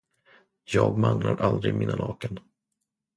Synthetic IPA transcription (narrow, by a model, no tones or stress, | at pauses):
jɑːɡmanlaɾʔald̪ɾɪmʔɪnːalɑːkən